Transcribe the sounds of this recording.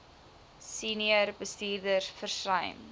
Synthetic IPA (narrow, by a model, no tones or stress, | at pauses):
siːniərbəstiːrdərfərsrɐ̰jm